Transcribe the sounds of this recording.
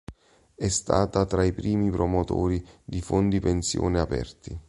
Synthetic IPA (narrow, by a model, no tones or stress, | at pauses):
ɛst̪a̰ːt̪at̪ɾaipɾiːmipɾomot̪o̰ːɾid̪ifond̪ipensjɔ̰ːneapɛ̰rt̪i